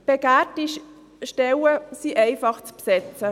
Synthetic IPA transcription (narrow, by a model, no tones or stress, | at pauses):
b̥eɡætiʃ | ʃtɛwəsiʔɛɪfɑχt͡spsɛt͡sə